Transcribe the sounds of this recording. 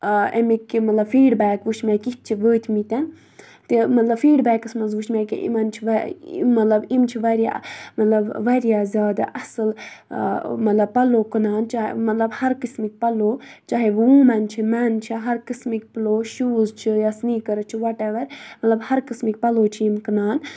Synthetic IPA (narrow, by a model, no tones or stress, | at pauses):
emikːimɐt̪lɐbfiːɖbɛːkʋuʃmɛkit̪̚t͡ʃʰiʋəːt̪ʰmit̪ɛn | t̪imɐt̪lɐbfiːɖbɛːkɨsmɐnzʋuʃmɛːkḭʔḭmɐnt͡ʃʰiʋmɐt̪lɐbimt͡ʃʰiʋɐɾija̰mɐt̪lɐbʋɐɾijaːzʲjaːd̪a̰ʔɐsɨl | mɐt̪lɐb̚pɐloːkɨnaːnt͡ʃa̰ːmɐt̪lɐbhɐɾkɨsmik̚ʲpɐloːt͡ʃaːɦeʋũːmɐnt͡ʃʰimɛnt͡ʃʰiɦɐɾkɨsmikʲpɐloːʃuːzt͡ʃʰijasniːkɐɾɐt͡ʃʰiʋɐʈɛʋɐɾmɐt̪lɐbhɐɾkɨsmik̚ʲpɐloːt͡ʃʰiimkɨnaːn